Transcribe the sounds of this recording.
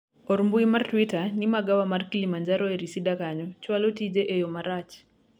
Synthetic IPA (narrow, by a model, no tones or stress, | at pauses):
ɔɾmbuimartwitanimaɡawamarkilimaɲd͡ʒaɾɔeɾisidakaɲɔt͡ʃwalɔtid͡ʒeʔejɔmaɾat͡ʃ